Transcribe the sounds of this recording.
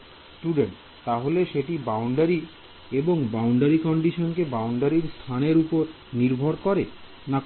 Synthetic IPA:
sʈuɖeɳʈ | t̪aɦoleʃeʈibawɳɖaɾi | eboŋbawɳɖaɾikɔɳɖiʃonkebawɳɖaɾiɾst̪ʰaneɾupoɾ | niɾbʱoɾkɔɾe | na

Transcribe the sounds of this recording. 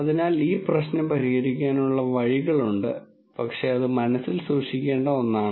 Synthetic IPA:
ɐðinaːliːprɐɕnɐmpɐɾihɐɾikʲːaːnuɭːɐʋɐɻiɣɐɭuɳɖɨ | pɐkʂe̞ɐðɨmɐnɐsːilsuːʂikʲːe̞ːɳɖɐo̞nːaːɳɨ

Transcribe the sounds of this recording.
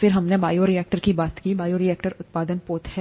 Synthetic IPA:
fɪɾɦɐmnebaːjoɾiɛːk̚ʈəɾkibaːt̪kiːbaːjoːɾiɛːkʈəɾʊt̪̚paːd̪ənpoːt̪ɦɛ

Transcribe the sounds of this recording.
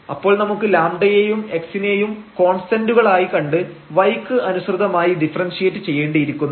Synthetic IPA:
ɐ̰pːo̞ːɭnɐmukːɨlaːmɖɐjejume̞ksinejumko̞ːɳsʈɐnduɣɐɭaːjikɐɳɖɨ | ʋɐjkːɨɐnusrɨðɐmaːjidifɐrɐnsijeʈːɨt͡ɕe̞jːe̞ːɳɖɨjiɾikʲːunː

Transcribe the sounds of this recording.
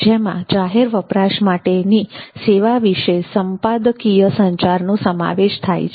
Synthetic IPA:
d͡ʒemã̰d͡ʒaɦeɾʋəpɾaʃmaʈeniseʋaʋiʃesəmpad̪əkijəsəɲt͡ʃaɾnosəma̰ʋeʃt̪ʰa̰jt͡ʃʰ

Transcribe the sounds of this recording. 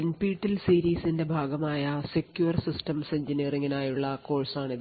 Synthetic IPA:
npiːʈːilsiːɾiːsinde̞bʱaːɡɐmaːjɐsekjuɐrsistɐmseɲd͡ʑiniːriŋːinaːjuɭːɐko̞ːɻsaːɳiðɨ

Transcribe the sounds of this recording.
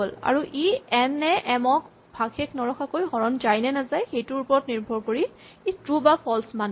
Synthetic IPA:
ola̰ɹuʔiɛnːɛʔɛmɔk | bʱaɡʰeknɔɹɔxʰakojɦɔɹɔnzajnɛnazajxejtʊɹupɔɹɔtniɹbʱɔɹkoɹi | itɹubapʰɔlsman

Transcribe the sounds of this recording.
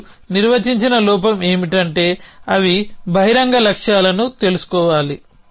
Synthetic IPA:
niɾʋɐt͡ʃiɲt͡ʃinɐlɔːp̬ɐme̞ːmiʈɐɳʈe̞ːɐʋibʱɐɦiɾɐŋɡɐlɐkʂjaːlɐnut̪e̞lusu̥kɔːʋaːli

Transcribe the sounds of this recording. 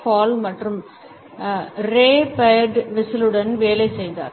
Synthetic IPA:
faːlmɐʈrɯm | ɾeːpɐjɖʋɪsɪlɯɽɐnʋeːlɐɪsɛjd̪a̰ːɾ

